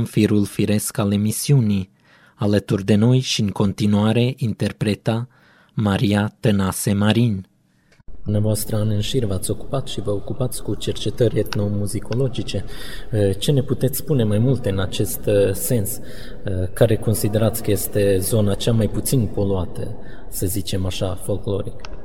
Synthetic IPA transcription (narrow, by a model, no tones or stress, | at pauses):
mfiɾulfiɾe̞skale̞misiuni | alət̪urʲd̪e̞no̞jʃiɨŋko̞nt̪inuaɾe̞ʔint̪e̞rpɾe̞t̪a | maɾiat̪ənase̞maɾin | d̪̥umneavoast̪ɾəanɨnʃirʲvat̪sʲo̞ku̥pat̪ʃivəokupat̪sʲkut͡ʃe̞rt͡ʃe̞t̪əɾʲet̪no̞muzikʰo̞lo̞d͡ʒit͡ʃe̞ | ət͡ʃe̞ne̞put̪e̞t̪sʲspune̞majmult̪ɨnat͡ʃe̞st̪se̞ns | kaɾe̞ko̞nsid̪e̞ɾat̪sʲkəje̞st̪e̞zo̞nat͡ʃamajput̪sinpo̞luat̪ə | səzit͡ʃe̞maʃafo̞lklo̞ɾik